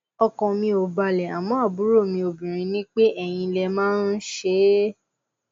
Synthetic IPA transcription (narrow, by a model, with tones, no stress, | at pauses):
ɔ˧kɔ̃˨mĩ˧o˨ba˨lɛ˨a˨mɔ̃˨˦a˦˨bu˨˦ɾo˦˨mĩ˧o˨bĩ˨ɾ̃ĩ˧nĩ˦k͡pe˦ʔɛ˦˨j̃ĩ˧lɛ˧mãː˦n̩˦ʃe˦